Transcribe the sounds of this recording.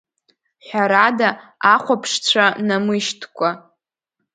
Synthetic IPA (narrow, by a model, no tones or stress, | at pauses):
ħʷᶣaɾadaaχʷapʰʂt͡ɕʷʰanamɨʃtʰkʷʰʼa